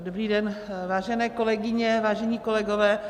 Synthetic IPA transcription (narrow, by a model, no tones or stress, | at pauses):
dobɾiːdɛnvaːʒɛnɛːko̞lɛɡɪɲɛvaːʒɛɲiːkolɛɡovɛː